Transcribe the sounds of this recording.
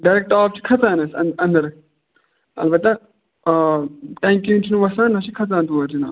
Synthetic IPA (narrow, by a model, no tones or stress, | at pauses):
ɖɐɾek̚ʈaːp̚t͡ʃʰi̥kʰɐt͡saːnɐsɐnɐ̃nd̪ɐɾ | ɐ̰lbɐt̪ːa | ʈɐːŋkint͡ʃʰinuʋɐsãːnɐt͡ʃʰikʰɐt͡sãːnt̪uʋɐɾt͡ʃina̰ː